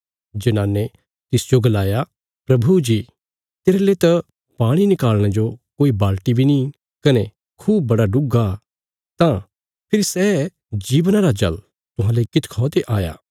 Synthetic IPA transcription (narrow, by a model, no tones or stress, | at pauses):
d͡ʒɐnãːnːe | t̪ɪsd͡ʒoɡɐlaːja | pɾɐbʱud͡ʒi | t̪eːɾelet̪ɐ | paːɽ̃inɪkaːlɽ̃ed͡ʒokoːibaːlʈibʱini | kɐne | kʰuːb̚ːɐɽaɖʊɡa | t̪ã | pʰɪɾisɛ | d͡ʒiːʋnãɾad͡ʒɐ̰l | t̪ʊɦãːleikɪt̪ʰkʰɔːt̪eʔaːja̰ː